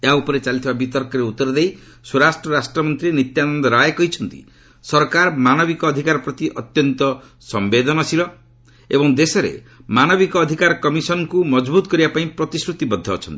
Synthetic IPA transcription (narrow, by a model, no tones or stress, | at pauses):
eaupɔɾet͡ʃalit̪ʰibabit̪ɔɾkɔɾeut̪ːɔɾɔd̪ej | suɾasʈɾɔɾasʈɾɔmɔnt̪ɾinit̪janɔnd̪ɔɾajkɔɦit͡ʃʰɔnt̪ḭ | sɔɾkaɾmanɔbikɔːd̪ʱikaɾɔpɾɔt̪iʔɔt̪jɔnt̪ɔ | sɔmbed̪ɔnɔsilɔ | ebɔŋd̪esɔɾḛmanɔbikɔːd̪ʱikaɾɔkɔmisɔnɔkumɔd͡ʒbut̪ɔkɔɾibapaĩpɾɔt̪isɾut̪ibɔd̪ʱːɔːt͡ʃʰɔnt̪i̥